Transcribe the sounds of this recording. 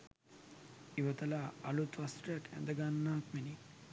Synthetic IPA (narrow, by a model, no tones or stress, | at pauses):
iʋət̪ɐlaːlut̪ʋast̪rɐjakæ̰nd̪əɡanːaːkmeni